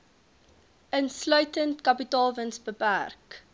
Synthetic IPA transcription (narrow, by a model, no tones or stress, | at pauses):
ənslœɥtəntkɐpitɑːlˠvənsbəpærk